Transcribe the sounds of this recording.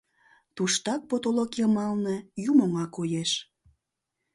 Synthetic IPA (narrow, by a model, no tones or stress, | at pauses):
t̪uʃt̪ɑk̚pot̪olokjəmɑlnəjumoŋɑkojeʃ